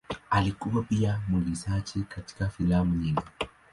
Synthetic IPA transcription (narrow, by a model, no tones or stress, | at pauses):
alikuwapiamwiɡisat͡ʃɛkati̥kafilamuɲiŋɡi